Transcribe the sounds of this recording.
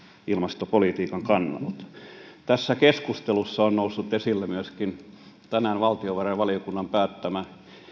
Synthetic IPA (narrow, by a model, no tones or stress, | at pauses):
ilmɑst̪opolit̪iːkɑŋkɑnːɑ̰lt̪t̪æsːækeskust̪elusːɑonnousːut̪esilːæmyøskin | t̪ænæːnʋɑlt̪ioʋereʋɑliokunːɑmpæːt̪ːæmæ